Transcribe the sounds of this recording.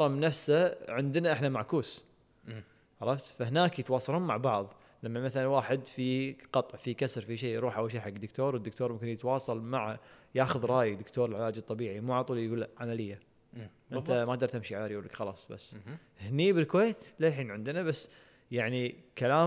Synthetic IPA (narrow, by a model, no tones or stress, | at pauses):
ɑmnːafsaʕɪnd̪naʔɪħnamaʕkuːs | ʕɑɾˤɑft̪fahnaːkjɪt̪wɑːsˤɑluːnmaʕbɑʕðˤ | lamːamaθalanwaːħɪd̪fiqɑt̪ˤʕfikasɾfiʃiːɾˤuːħʔawʃiːħaɡːd̪ʊkt̪oːɾwəd̪ːʊkt̪oːɾmʊmkɪnjɪt̪wɑːsˤɑlmaʕajaːxʊðɾˤɑːjɪd̪ɪkt̪oːɾɪlʕɪlaːd͡ʒɨt̪ˤːɑbiːʕimuːʕalt̪ˤuːlɡuːlːaʕamalɪjːa | ʔɪnt̪amad̪ɑɾˤt̪ɪmʃiʕalaːɾjɡuːlːakxɑlɑ̰ːsˤba̰sː | hniːbɪlkweːt̪leːħiːnʕɪnd̪nabasː | jaʕnikalaː